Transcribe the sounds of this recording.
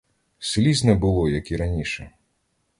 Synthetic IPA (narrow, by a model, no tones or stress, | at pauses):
sɪlʲiznɛbʊlˠɔjɐkiɾɐnʲiʃɛ